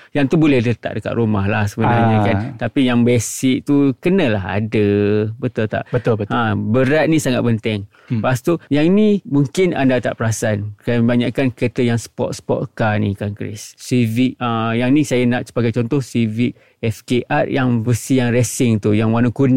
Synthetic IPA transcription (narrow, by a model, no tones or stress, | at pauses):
jaŋt̪ubolɛhlət̪a̰ʔ̚dəka̰ʔ̪ɾumaɦlahsəbənaɲakant̪apijaŋbɛsɪk̚t̪ukənə̃laɦa̰dəbət̪ʊlt̪a̰ʔbət̪ãbəɾat̪̚nĩsaŋat̪̚pənt̪ɛŋ | past̪ojaŋnimuŋkɪna̰ndat̪a̰ʔpəɾasankabaɲaʔkankət̪əjaŋsə̥pɔ̰t̪̚spɔt̪̚kanikankɾɪ̰sːiviʔajaŋnisajanaʔsə̥baɡajt͡ʃɔnt̪ɔhsiviʔ | ɛfkeʔat̪̚jaŋbəsijaŋɾɛsɪŋt̪ujaŋwanukun